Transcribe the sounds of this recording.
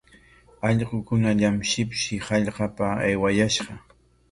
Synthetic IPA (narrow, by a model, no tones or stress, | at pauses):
ɑʎɢʊkʊnaʎamʃɪpʃɪhɑʎqɑpaajwajaʃɢɑ